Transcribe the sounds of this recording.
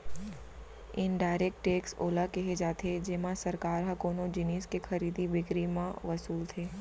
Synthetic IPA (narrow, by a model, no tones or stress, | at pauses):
ɪnɖaːɪɾeːk̚ʈʈeːkso̰ːlakeɦed͡ʒaːt̪ed͡ʒɪmãsɐɾkaːɾɦɐkoːnõd͡ʒɪniːskexɐɾiːd̪ibɪkɾimãʋɐsuːlt̪ʰeː